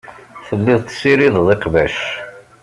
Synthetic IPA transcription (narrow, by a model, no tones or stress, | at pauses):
θəlːɪðˤt̪siɾiððˤeqvæʃ